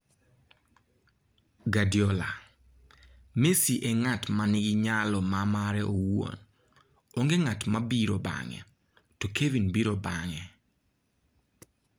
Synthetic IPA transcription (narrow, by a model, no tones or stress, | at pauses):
ɡadjɔla | mesiʔɛŋatmanɪɡɪɲalɔmamaɾɛʔowo̰n | oŋɡeŋatmabiɾoba̰ŋɛ̰ | tokʰevinbiɾobaŋɛ